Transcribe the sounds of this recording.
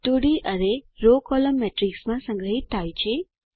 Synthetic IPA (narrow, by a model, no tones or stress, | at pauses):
t̪uɽiʔəneɾokɔləmːɛʈɾiksmãsə̃ŋɡɾəɦit̪ʰːt̪ʰːajt͡ʃʰe